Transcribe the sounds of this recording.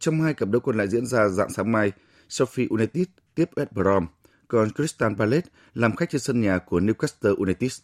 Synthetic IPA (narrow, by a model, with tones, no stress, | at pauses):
t͡ɕɔ˧wŋ͡mhaː˧jkə˨˩p̚ɗə˨˧˦wkɔ˨˩nla̰ː˧˨jzḭ˧˥ənzaː˧za̰ː˧˨ŋsaː˨˦ŋma˧j | sɔ˧fi˧ʔu˧na˧t̪i˦˥s̚ | t̪i˦˥əp̚ʔɛ˦˥t̚ɓə˧˩ɾɔ˧m | kɔ˧nkɾi˦˥st̪aː˧npaː˧le˦˥t̚ | laː˨˩mxa˦˥k̚t͡ɕe˧nsə˧nɲaː˨˩ku˧˩əni˧wkaː˦˥st̪əː˧ʔu˧na˧t̪i˦˥s